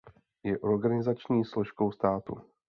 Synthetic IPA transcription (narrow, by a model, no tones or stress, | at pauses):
jɛʔo̞ɾɡanɪzat͡ʃɲiːslo̞ʃko̞wst̪aːt̪ṵ